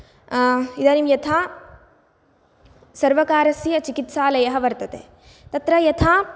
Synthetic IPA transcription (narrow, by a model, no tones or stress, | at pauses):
id̪aːnimjɐt̪ʰaː | sɐɾʋɐkaːɾɐsijɐt͡ʃikit̪saːlɐjɐɦɐʋɐɾt̪ɐt̪ḛː | t̪ɐt̪ɾɐjɐt̪ʰaː